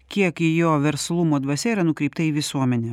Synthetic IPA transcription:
kʲiɛkijoːʋʲɛɾslˠumoːd̪ʋɐsʲɛiɾɐnʊkɾʲɛɪp̚t̪ɐiːʋʲɪsuɔmʲɛnʲɛː

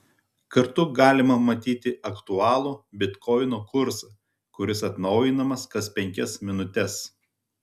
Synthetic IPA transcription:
kɐɾt̪ʊɡɑːlʲɪmɐmɐt̪ʲiːt̪ʲɪɐkt̪ʊɑːlˠuːbʲɪt̪kɔɪnoːkʊɾsɐ | kʊɾʲɪsɐt̪nɐʊjɪnɐmɐskɐspʲɛŋʲkʲɛsmʲɪnʊt̪ʲɛs

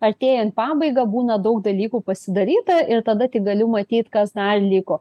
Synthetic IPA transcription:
ɐɾʲt̪ʲeːjont̪pɑːbɐɪɡɐbuːnɐd̪ɐʊkd̪ɐlʲiːkuːpɐsʲɪd̪ɐɾʲiːt̪ɐʔɪrt̪ɐd̪ɐt̪ʲɪk̚ɡɐlʲʊmɐt̪ʲiːt̪kɐsd̪ɐrlʲɪkoː

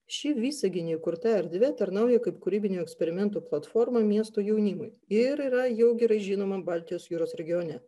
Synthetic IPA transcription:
ʃʃʲɪʋʲiːsɐɡʲɪnʲɪjukʊɾt̪ɐɛɾd̪ʲʋʲɛt̪ɐɾnɐˑʊjɛkɐɪpkʊɾʲiːbʲɪnʲuɛksʲpʲɛɾʲɪmʲɛnt̪uːplˠɐt̪fɔɾmɐmʲiɛst̪oːjɛʊnʲɪmʊj | ɪɾiːɾɐjɛʊɡʲɛɾɐɪʒʲiːnoːmɐbɑːˑlʲt̪ʲɪjoːsjuːɾoːsɾʲɛɡʲɪjoːnʲɛ

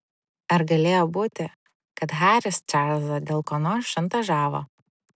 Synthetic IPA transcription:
ɐɾɡɐlʲeːjoːbuːt̪ʲɪ | kɐt̪ɦɑːɾʲɪst͡ʃʲæɾzɐd̪ʲeːlˠkoːnoːʃʲɐnt̪ɐʒɑːʋo̰

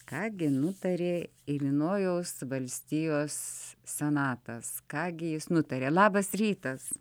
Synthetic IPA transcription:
kɑːɡʲɪnʊt̪ɐɾʲeː | ɪlʲinoːjoːsʋɐlʲsʲt̪ʲijoːssʲɛnɑːt̪ɐskɑːɡʲɪjɪsnʊt̪ɐɾʲeːlˠɑːbɐsɾʲiːt̪ɐs

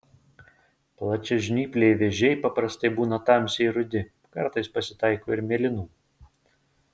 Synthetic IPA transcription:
plˠɐt͡ʃʲɛʒʲnʲiːpʲlʲeɪʋʲɛʒʲɛɪpɐpɾɐst̪ɐɪbuːnɐt̪ɑˑmʲsʲɛɪɾʊd̪ʲɪ | kɐɾt̪ɐɪspɐsʲɪt̪ɑɪkoːɪɾmʲɛlʲɪnuː

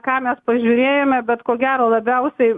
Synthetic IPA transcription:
kɑːmʲɛspɐʒʲuːɾʲeːjomʲɛbʲɛt̪koːɡʲæːɾoːlˠɐbʲɛʊsʲɛɪ

